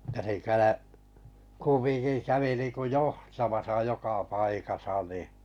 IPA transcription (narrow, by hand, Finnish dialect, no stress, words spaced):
jɑ se kælæ kumːiŋki kæʋi niŋku johtɑmɑsɑ jokɑ pɑikɑsɑ ni